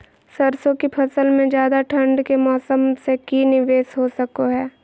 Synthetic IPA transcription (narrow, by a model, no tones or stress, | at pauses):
səɾsõkipʰɐsəlmẽd͡ʒjaːd̪aʈʰɐ̃ɳɖkemɔːsəmsekinɪʋeːsɦosɐkoɦɛː